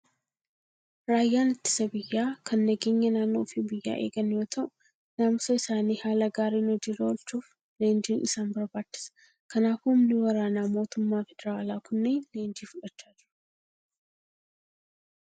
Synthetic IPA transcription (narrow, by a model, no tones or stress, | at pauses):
ɾaːjːaːnɪt̪ːɪ̥sɐbɪjːaːkʰɐnːɐɡe̞ːɲːɐnaːnːo̞̰ːfɪbɪjːa̰ːʔe̞̰ːɡɐnjoːt̪ʰɐʔʊ̥ | namsɐɪsaːniːhaːlɐɡaːɾiːnɔd͡ʒiːɾɐɔlt͡ʃuːf | le̞ːnd͡ʒiːnʔɪsaːnbɐɾbaːt͡ʃːɪ̥sɐ̥ | kɐnaːfhʊmnɪwɐɾaːnaːmo̞ːt̪ʊmːaːfɛd̪ɛɾaːlaːkʊnːeːnle̞ːnd͡ʒiːfʊᶑɐt͡ʃːaːd͡ʒɪɾɐ̥